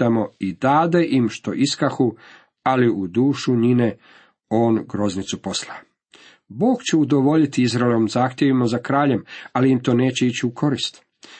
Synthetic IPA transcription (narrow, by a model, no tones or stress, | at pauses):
amo̞id̪aːd̪eʔimʃt̪o̞ʔiskaxu | aliʔud̪uːʃuɲine | o̞ːnɡɾo̞znit̪supo̞sla | bo̞ːɡt͡ɕeud̪o̞ʋo̞ʎit̪iizɾaeleʋomzaːxt̪ʲjeʋimozakɾaːʎe̞maliimt̪o̞ːne̞ːt͡ɕeit͡ɕiukʰo̞ɾist̪